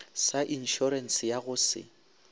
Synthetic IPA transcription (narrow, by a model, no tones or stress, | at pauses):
saʔin̩ʃɔɾɛn̩sɪjaɣʊsɪ̰